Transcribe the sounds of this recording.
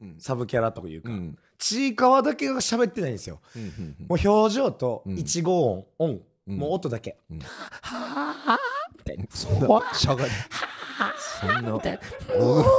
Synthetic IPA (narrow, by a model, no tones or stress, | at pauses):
sabɯ̟kʲaɾat̪oka̰jɯ̟̰ːka̰ | t͡ɕiːkaβad̪ake̞ɡɡaɕabe̞t̪ːe̞naĩnesɨjo̰moːço̞ːʑo̞ːt̪o̞it͡ɕiɡo̞ːõŋõŋ | moːt̪ːo̞d̪ake̞ha | t̪ | ɕaɡaha | onːat̪